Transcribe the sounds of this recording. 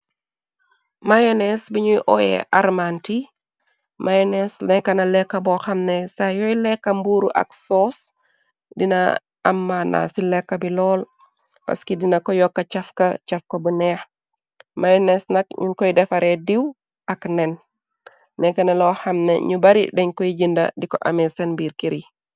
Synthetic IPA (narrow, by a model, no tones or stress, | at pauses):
majonɛsbiɲuʔɔjɛ̰ʔarmanti | mʔajonɛslɛkːɐnɐlɛkːɐbɔxɐmnesajɔjilɛkːɐmbuɾṵʔɐ̰ksɔːs | dinɐ | ɐmːana̰silɛkːɐbilɔːl | pɐ̰skidinakɔjɔkːɐt͡ʃafkat͡ʃafkabunɛx | majnɛsnak̚ɲukɔjdɛfaɾʔediw | aknɛn | nɛkanalɔxɐmnḛɲubaɾḭdɛɲkojiɟinda̰dikɔʔamɛsɛnbiːɾkiɾi